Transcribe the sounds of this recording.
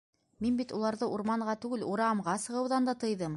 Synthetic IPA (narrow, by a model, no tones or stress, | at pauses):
minbit̪ulˠɑɾðɤʔuɾmɑɴʁɑt̪ʉɡɘluɾɑmʁɑsɤ̆ʁɤ̆wðɑnd̪ɑt̪ɤ̆jðɤm